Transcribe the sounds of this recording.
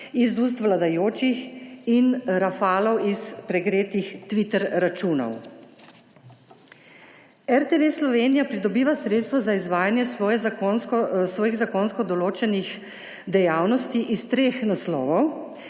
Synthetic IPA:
izuːs̬t̪ʋlad̪ajoːt͡ʃixinɾafaːlɔwispɾɛɡɾeːt̪ixt̪ʋit̪ɛɾɾat͡ʃuːnɔ̰w | ɛɾt̪eʋeslɔʋeːnijapɾid̪ɔbiːʋasɾeːt̪st̪ʋazaizʋaːjanjɛsɔjɛonskɔsʋɔːjiɣzakonskɔd̪ɔloːt͡ʃɛnix | d̪ɛjaːwnɔst̪iʔist̪ɾeːxnaslɔ̰ːʋɔw

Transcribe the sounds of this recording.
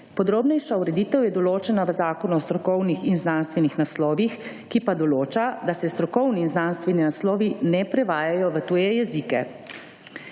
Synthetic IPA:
pɔd̪ɾoːbnɛjʃauɾɛd̪iːt̪əwjɛd̪ɔloːt͡ʃɛnaʋəzaːkɔnuɔst̪ɾɔkɔwnixinznanst̪ʋɛnixnaslɔːʋix | kipad̪ɔloːt͡ʃad̪asɛst̪ɾɔkɔwniːnznanst̪ʋɛninaslɔːʋinɛpɾɛʋaːjajɔʋət̪uːjɛjɛzikɛ̰

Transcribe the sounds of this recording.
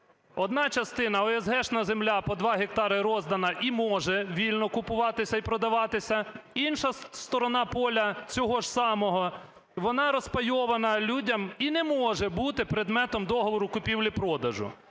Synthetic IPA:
ɔd̪nɑt͡ʃɐst̪ɪnɐɔɛzɦɛʃnɐzemlʲapɔd̪ʋɑɦek̚t̪ɑɾɪɾɔzd̪ɐnɐʔimɔʒɛʋʲilʲnɔkʊpʊʋɑt̪ɪsʲɐipɾɔd̪ɐʋɑt̪ɪsʲɐinʃɐst̪ɔɾɔnɑpɔlʲɐt͡sʲɔɦɔʒsɑmɔɦɔ | ʋɔnɑɾɔspɐjɔʋɐnɐlʲudʲɐminɛmɔʒɛbut̪ɪpɾɪd̪mɛt̪ɔmd̪ɔɦɔʋɔɾʊkʊpʲiwlʲipɾɔd̪ɐʒʊ̰

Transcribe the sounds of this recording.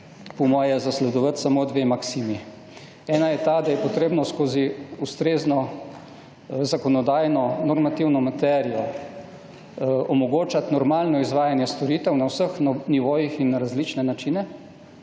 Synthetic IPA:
pɔmɔːjɛzaslɛd̪ɔʋət̪samoːd̪ʋemaksiːmi | ɛːnajɛt̪ad̪ajɛpɔt̪ɾeːbnɔskoːziust̪ɾeːznɔ | zakɔnɔd̪aːjnɔnɔɾmat̪iwnɔmat̪ɛɾijɔ | ɔmɔɡoːt͡ʃat̪nɔɾmaːlnɔizʋaːjanjɛst̪ɔɾiːt̪ɛwnawsəxniʋoːjixinɾazlit͡ʃnɛnat͡ʃinɛ

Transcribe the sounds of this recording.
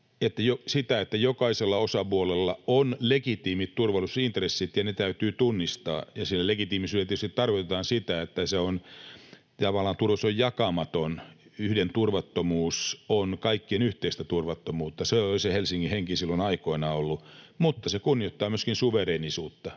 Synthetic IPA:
et̪ːæjosit̪æet̪ːæjokɑiselːɑosɑpuolelːɑonlekit̪iːmit̪t̪urʋɑlusint̪resːit̪jɑnet̪æyt̪yːt̪unːist̪ɑ̰ːjɑsilːælekit̪iːmisyːlelːt̪eyst̪it̪tɑrkot̪et̪ɑːnsit̪æet̪ːæseon | t̪ɑʋɑlːˑɑːnt̪urʋɑsojjɑkɑmɑt̪onyhdent̪urʋɑt̪ːomuːsonkɑikːienyht̪eist̪æt̪urʋɑt̪ːomuːt̪ːɑseoisehelsiŋːiheŋkisilːonɑikoinɑolːumut̪ːɑsekunːijot̪ːɑːmyøskinsuʋeɾeːnisuːt̪ːɑ

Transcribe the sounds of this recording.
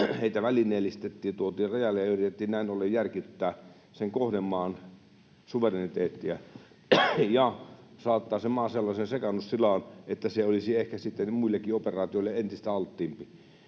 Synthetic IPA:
heˑit̪æʋælinˑeːlːist̪et̪ːiːt̪uot̪iːrrɑjɑlːejɑyrit̪et̪ːiːnnæˑinolːejjærkit̪ːæː | seŋkohnemːɑːn | suʋerenit̪eːt̪ːiæ | jɑsɑːt̪ːɑːsemmɑːselːɑsensekɑnːussilɑːˑnet̪ːæseolisiehkæsit̪ːenmuilːekːˑioperˑɑːt̪ioilːeent̪ist̪æɑlt̪ːiːmpi

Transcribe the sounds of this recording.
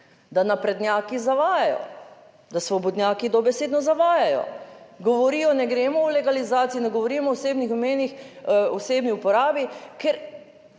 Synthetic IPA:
d̪anapɾɛd̪njaːkizaʋaːjajɔ̰ | d̪asʋɔbɔd̪nʲjaːkid̪ɔbɛseːd̪nɔzaʋaːjajɔ̰ɡɔʋɔɾiːjɔnɛɡɾeːmɔulɛɡalizaːt̪siinɛɡɔʋɔɾiːmɔɔseːbnixmeːnixɔseːbniupɔɾaːbikɛɾ

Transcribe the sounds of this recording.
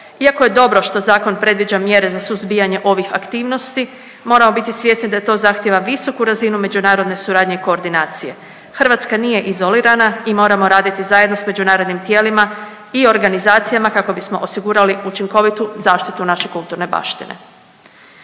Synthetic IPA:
iakoje̞d̪o̞bɾo̞ʃt̪o̞zaːko̞npɾe̞d̪ʋid͡ʒamje̞ɾe̞zasuzbiːjaɲe̞ʔo̞ʋixa̰kt̪iːʋno̞st̪i | mo̞ːɾamo̞bit̪isʋje̞snid̪ajet̪o̞ːzaxt̪jeʋaʋiso̞kuɾazinume̞d͡ʑunaːɾo̞d̪ne̞suɾaːd̪ɲeiko̞ːɾd̪inaːt̪sije̞ | xr̩ʋat̪skanije̞ʔizo̞liɾanaimo̞ːɾamo̞ɾaːd̪it̪izaje̞d̪nosme̞d͡ʒunaːɾo̞d̪nimt̪je̞ːlima | io̞ɾɡanizaːt̪sijamakako̞bismo̞ʔosiɡuːɾaliut͡ʃiŋko̞ʋit̪uzaːʃt̪it̪unaʃe̞kulˠt̪uɾne̞ba̰ʃt̪ḭnḛ

